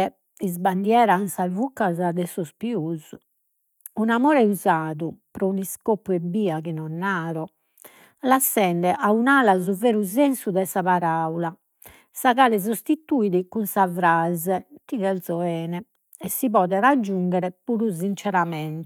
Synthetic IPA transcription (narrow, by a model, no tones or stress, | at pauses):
ɛ | izband̪jɛːɾansavukːazad̪ɛsɔspiuz | unamɔːɾɛuzaːðupɾɔuniskopːuɛbiːakinɔnːaːɾɔ | lasːɛnd̪ɛʔaunaːlazuveːɾuzensud̪ɛsaβaɾaula | saɣaːlɛz̬ost̪it̪uiðikunsavɾazɛt̪iðɛlsɔɛːnɛ | ɛsːipɔːðɛɾad͡ʒːuŋɡɛɾɛpuɾuzint͡ʃɛɾamɛnt̪